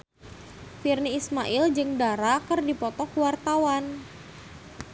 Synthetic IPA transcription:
firniːsmaʔɪld͡ʒɨŋdaɾakərdipɔt̪ɔkuwart̪awan

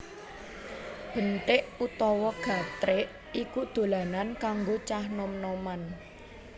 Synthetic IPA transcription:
b̥ənʈ̪ɪʔut̪ɔwɔɡ̥a̤t̪ɾeʔ | ikud̪̥o̤lanankaŋɡot͡ʃahnɔmnɔman

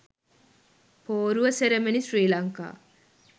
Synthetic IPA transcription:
poːɾuʋɐseɾemenisriːlɐŋka̰ː

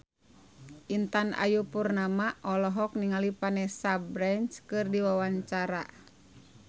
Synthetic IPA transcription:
ʔint̪ana̰jupurnamaʔɔlɔɦɔk̚niŋalipanɛsabɾant͡ʃkɨrdiwawaɲt͡ʃaɾa̰

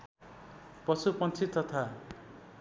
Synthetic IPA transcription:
pʌsupʌnt͡sʰit̪ʌt̪ʰa

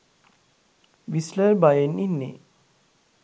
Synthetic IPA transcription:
ʋislaɾbajeninːḛ

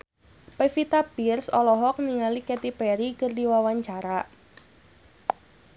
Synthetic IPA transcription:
pefit̪abirsɔlɔɦɔk̚niŋalikɛt̪ipɛɾikərdiwawaɲt͡ʃaɾaʔ

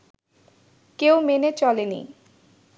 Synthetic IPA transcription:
kewmenet͡ɕɔlenḭ

